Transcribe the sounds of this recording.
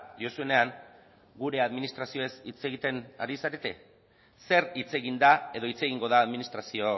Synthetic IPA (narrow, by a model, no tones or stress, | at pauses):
d̪io̞sue̞ne̞aŋ | ɡuɾe̞aðminist̪ɾasio̞e̞sit͡se̞ɣit̪e̞na̰ɾisaɾet̪e̞ | se̞rit͡se̞ɣind̪ae̞ðo̞it͡se̞ɣiŋɡo̞ðaːðminist̪ɾasio̞